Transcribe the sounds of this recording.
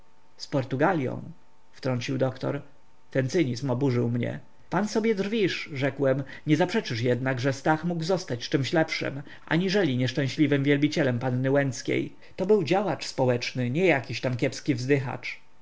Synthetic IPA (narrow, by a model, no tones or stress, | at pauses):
spɔɾt̪uɡalʲjɔ̰̃w̃ | ft̪ɾɔɲt͡ɕiwd̪ɔkt̪ɔ̰ɾ | t̪ɛnt̪sɘɲizmɔbuʐɘwmɲɛ̰ | pansɔbʲjɛd̪ʐvʲiʂʐɛkwɛmɲɛzapʂɛt͡ʂɘʂjɛd̪naɡʐɛst̪axmuɡwzɔst̪at͡ɕt͡ʂɘmɕlɛpʂɘ̰m | ʔa̰ɲiʐɛlʲiɲɛʂt͡ʂɛ̃w̃ɕlʲivɘmvʲjɛlbʲit͡ɕɛlɛmpanːɘwɛnt̪skʲḛj | t̪ɔbɘwd͡ʑawat͡ʂspɔwɛt͡ʂnɘɲɛjakʲiɕt̪amkʲɛpskʲivzd̪ɘxa̰t͡ʂ